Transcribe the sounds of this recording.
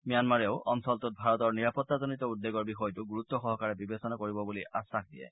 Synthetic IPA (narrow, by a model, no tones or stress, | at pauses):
mijanmaɹɛʊʔɔmsɔltɔt̚bʱaɹɔtɔɹniɹapɔtːazɔnitɔudːeɡɔɹbixɔjɔtʊɡuɹut̪ːɔxɔɦɔkaɹɛbibesɔnakoɹibɔbuliʔasaxdiɛ̰